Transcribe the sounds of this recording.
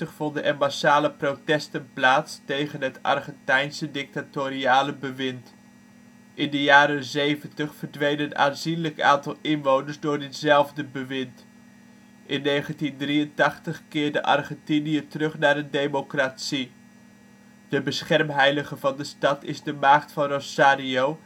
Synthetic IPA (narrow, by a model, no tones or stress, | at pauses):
əχfɔndəʔənmasaːləprotɛstənplaːtstejχənɦətɑ̰rχɛntɛjnsədɪk̚tatoːɾiaːləbəʋɪnt | ʔɪndəjaːɾənzejvəntəχfəɹdʋejnəna̰ːnzinləka̰ːntɑlˠɪnʋownəɹzdʊːɹdɪtz̥ɛlˠvdəbəʋɪnt | ʔɪnːejχəntindriəntɑχtəχkɪːɹdəʔɑ̰rχɛntinijətərɵχnaːɾəndejmokraːtsi | d̥əbəsχɛrmɦɛjləχəvɑndəstɑtɪzdəmaːχtfɑnrosaːɾiow